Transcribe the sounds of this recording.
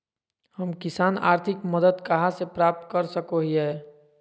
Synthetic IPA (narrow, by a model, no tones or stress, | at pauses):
həmkɪsaːna̰ːɾt̪ʰɪkməd̪əd̪kəɦasepɾaːp̚t̪kəɾsəkoɦiɦɛː